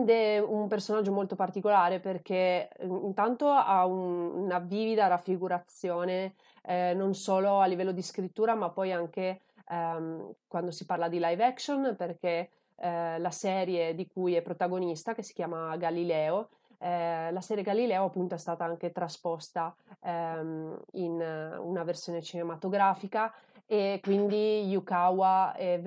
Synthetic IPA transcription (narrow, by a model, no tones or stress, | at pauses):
d̪ɛumpersonad͡ʒːomolt̪opart̪ikolaːɾeperk̟eint̪ant̪oaunnaviːvid̪aɾafːɾiɡuɾat̪sːjoːne | nonsoːloalːivɛlːod̪iskɾit̪ːuːɾamapːɔjaŋk̟e | kwand̪osiparlad̪ilajvɛksonperk̟e | lasɛːɾjed̪ikujɛpːɾot̪aɡonist̪akesːi̥k̟jaːmaɡalilɛːo | ɛlasɛːɾjeɡalilɛːoapːunt̪oɛst̪aːt̪aaŋk̟et̪ɾaspɔst̪a | inṵnaversjoːnet͡ʃinemat̪oɡɾaːfika | ekwind̪ijukawaɛ